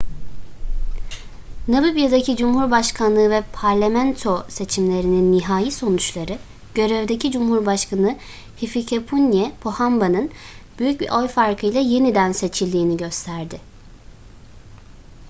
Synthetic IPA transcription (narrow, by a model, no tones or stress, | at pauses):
nabɯbijad̪acʰid͡ʒumhuɾbaʃkʰanlˠɯːvɛpʰaɾlʲamænt̪ʰo̞se̞t͡ʃʰimlʲe̞ɾininːiɦaːjiso̞nut͡ʃlˠaɾɯ | ɟ̥ø̞ɾevd̪e̞cid͡ʒumhuɾbaʃkʰanɯ | hificʰepʰunjɛpʰohambanɯnb̥yjyc̚bḭʔo̞jfaɾkʰɯjlˠaje̞nid̪ænse̞t͡ʃʰilʲd̪iːniɟø̞st̪ʰæɾd̪ɪ